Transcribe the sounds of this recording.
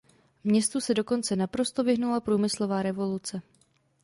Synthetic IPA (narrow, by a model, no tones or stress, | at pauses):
mɲɛst̪usɛdo̞ko̞nt͡sɛnapɾo̞st̪o̞vɪɦnulapɾuːmɪslo̞vaːɾɛvo̞lut͡sɛ